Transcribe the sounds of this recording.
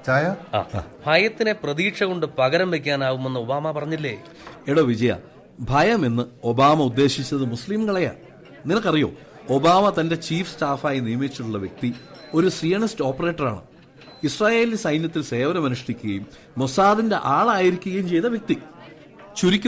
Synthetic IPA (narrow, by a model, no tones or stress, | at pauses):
t͡ɕaːjɐa̰ːbʱɐjɐt̪ːineprɐðiːʈʂɐɣo̞ɳɖɨpɐɣɐɾɐmʋek̬ʲːaːnaːɣume̞nːɨo̞baːmɐpɐrɐɲːilːḛ | eɽoːʋid͡ʑɐjɐ̰ | bʱɐjɐmenːɨo̞baːmɐud̪ːe̞ːɕit͡ɕːɐðɨmusliːmkɐɭɐja̰ | ninɐɭkːɐrijo̞̰ː | o̞baːmɐt̪ɐnde̞t͡ɕiːfsʈaːfaːjinijɐmet͡ɕːiʈːuɭːɐʋjek̚t̪io̞ɾusrijɐɳisto̞ːpːɐre̞ːʈːɐra̰ːɳɨ̰ | israːje̞ːlisɐjnjɐt̪ːilse̞ːʋɐɾɐmɐnuʂɐɽikʲːuɣɐjumː | osaːðinde̞ʔaːɭaːjiɾikʲːuɣɐjumt͡ɕe̞jt̪ɐʋjek̚t̪i | t͡ɕuɾikʲːum